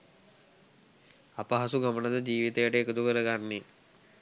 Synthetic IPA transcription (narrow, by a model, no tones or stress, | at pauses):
apəɦasuɡamənəd̪əd͡ʒiːʋit̪əjəʈəekəd̪ukəɾəɡanːe